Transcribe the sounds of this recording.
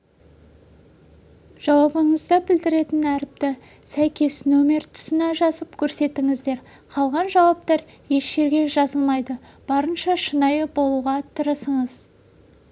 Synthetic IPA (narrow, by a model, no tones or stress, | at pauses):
ʒ̥ɑwɑbəɴəzd̪ɑbɪld̪ɪɾe̞t̪ɪnæɾɪp̚t̪ɪ | sæjkʲe̞snɵme̞ɾt̪ʰʊ̥sɪnɑʒɑzəpkʲʰɵɾse̞t̪ɪŋɪzd̪e̞ɾ | qʰɑlˠʁɑnʒɑwɑp̚t̪ɑɾ | je̞ʃʒe̞ɾɡʲe̞ʒɑzəlˠmɑjd̪ə | b̥ɑɾənʃɑʃənɑjəbo̞lˠuʁɑt̪ʰəɾəsəɴəz